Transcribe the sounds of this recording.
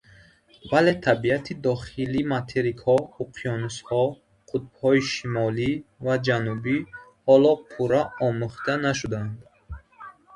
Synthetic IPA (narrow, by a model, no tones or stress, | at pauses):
vale̞t̪ʰabiat̪ʰid̪ɔχilimat̪ʰeɾikhɔuqʰiɔnushɔ | qʰut̪̚bhɔiʃimɔlivad͡ʒanubihɔlɔpʰuɾaɔmuχt̪anaʃ̬ud̪and̪